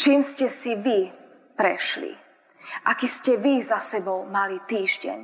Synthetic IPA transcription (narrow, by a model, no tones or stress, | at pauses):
t͡ʃiːmscɛsiʋi | pɾɛʃlḭ | ʔakiscɛʋizasɛbɔʊmalit̪iːʒɟɛ̰ɲ